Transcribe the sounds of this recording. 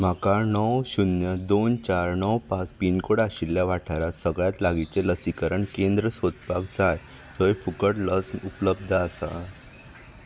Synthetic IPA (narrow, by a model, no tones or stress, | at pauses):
m̤akanɔwɕunjəd̪ont͡ɕaɾnɔwpat͡spinkoɽaɕilːjaʋaʈʰaɾasəɡɭjat̪laɡit͡seləsikəɾəɳkend̪ɾəsot̪paɡd͡zaj | d͡zəɦefukəʈləsnupləb̚d̪ʱəəsa̰